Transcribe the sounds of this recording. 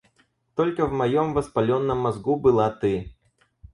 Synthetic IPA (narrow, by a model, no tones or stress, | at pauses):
t̪ɔlʲkɐvmajɔmvɐspalʲɔnːɐmːazɡubɨlˠat̪ɨ